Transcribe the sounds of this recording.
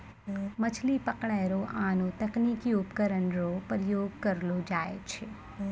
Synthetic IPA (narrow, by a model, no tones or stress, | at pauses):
mɐt͡ʃʰlipɐkɽ̃ɛːɾoʔaːnõt̪ɐkniːkiʊpkəɾənɾopɾəjoːɡ̚kɐɾlod͡ʒaːḛt͡ʃʰe